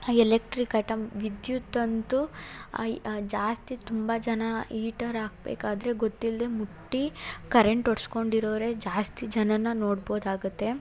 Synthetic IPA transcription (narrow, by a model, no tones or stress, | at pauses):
ɛlek̚ʈɾikɐʈɐmʋid̪jut̪ːɐnt̪ṵ | d͡ʒaːst̪it̪umbɐd͡ʒɐnɐiːʈɐɾaːɡ̚bḛːkaːd̪ɐɾe̞ɡot̪ːild̪e̞muʈːikɐɾeɳʈoɽsko̞ɳɖiɾoːʋɐɾe̞d͡ʒaːst̪id͡ʒɐnɐnːɐnoːɽboːd̪aːɡut̪ːe̞